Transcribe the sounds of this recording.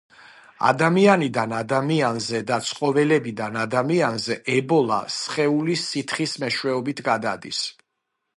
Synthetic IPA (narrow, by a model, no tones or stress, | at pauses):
a̰d̪amianid̪anad̪amianzɛd̪at̪sʰʼqʼɔvɛlɛbid̪anad̪amianzɛʔɛbɔlˠa̰sχɛulisit̪ʰχismɛʃwɛɔbit̪ʰɡad̪a̰d̪ḭs